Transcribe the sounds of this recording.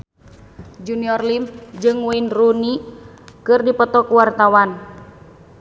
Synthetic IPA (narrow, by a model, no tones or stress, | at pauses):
d͡ʒuniɔrlimd͡ʒɨŋwinruni | kɨrdipɔt̪ɔkuwart̪awan